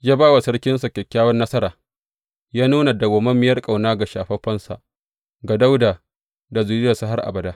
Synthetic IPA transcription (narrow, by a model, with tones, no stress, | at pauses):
jaː˦baː˦wa˨sɐ˦ɽkʲɪ˦nsa˨kʲɛ˨kʲːaː˦wɐ˦nːɐ˦sɐ˦ɾaː˨ | jaː˦nuː˦na˨da˨ɡʷɔ˨mɐ˦mːɪ˦jɐ˦rkʼa˨wnaː˦ɡa˨ʃaː˨ɸɐ˦ɸɐ˦nsa̰˨ʔ | ɡa˨da˦wdaː˨ | da˨zu˨ɾɪ˦jɐ˨sa˦ɦa˦rʔa̰˨bɐ˨daː˦